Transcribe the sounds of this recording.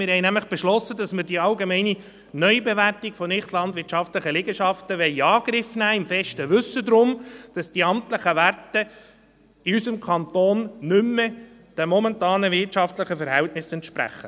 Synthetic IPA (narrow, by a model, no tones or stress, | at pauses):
mɪɾhɛɪjnæmləχb̥ɛʃlɔsədɑsməɾd̥iɑlɡemɛɪni | nœʏbeʋærtikfɔnɪχtlɑndʋɪːtʃɑftləχəlɪɡəʃɑftəʋɛɪɑːɡ̥ɾɪfnæːɪmfɛʃtəʋʉsːədɾʊmd̥ɑsd̥iɑmtləχəʋærtə | iysəmkʰɑntoːnːʏmːə | d̥ɛmɔmɛntɑːnəvɪrtʃɑftləχəfɛɾɦɛltnɪsɛntʃpɾæ̰χə